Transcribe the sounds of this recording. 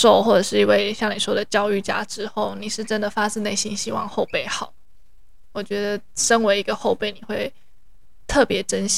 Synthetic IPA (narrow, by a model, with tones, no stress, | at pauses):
ʂo˥˧ʊxwɔ˥˩ʈ͡ʂə˨˩ʂɻ̩˥˩i˧˥˩we˥˧ɪɕjɑ˥˩ŋni˨˩ʂwɔ˥d̪ə˨t͡ɕjɑ˥ʊy˥˩t͡ɕja̰˥ʈ͡ʂɻ̩˥xo˥˩ʊni˨˩ʂɻ̩˥˩ʈ͡ʂə˦˥nd̪ə˨fa˥t͡sɻ̩˥˧ne˥˩ɪɕi˥nɕi˥wɑ̰˥˧ŋxo˥˧ʊpe˥˩ɪxɑ˨˩˦ʊ | wɔ˨˩t͡ɕɥɛ˧˥d̪ə˨ | ʂə˥nwe˧˥ɪi˧˥ɡə˧xo˥˧ʊpe˥˩ɪni˨˩xwe˥˧ɪ | t̪ʰɤ˥˩pjɛ˨˧˥ʈ͡ʂə˦nɕ